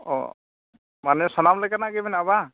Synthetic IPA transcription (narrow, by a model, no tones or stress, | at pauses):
ɔ̰ | manɛsanamləɡanaɡɛbɛnaβa